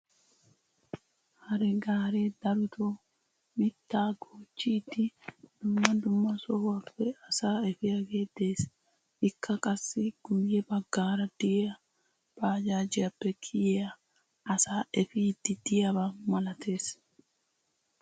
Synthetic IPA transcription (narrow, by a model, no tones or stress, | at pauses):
hɐɾɛɡaːɾeːd̪ɐɾʊt̪o | mɪt̪ːaːɡoːt͡ʃːit̪ːɪd̪̥ʊmːɐd̪ʊmːɐsɔhɐbːɛɐsaːɛfɪɐɡeːd̪eːs | ɪkːɐkʼɐsːɪɡ̥ʊjɛbɐɡːaːɾɐd̪iːɐ | b̥aːd͡ʒaːd͡ʒɪɐbːɛkʼʰɪjɐ | ɐsaːɛfɪt̪ːɪd̪̥ɪjɐbɐmɐlɐt̪eːs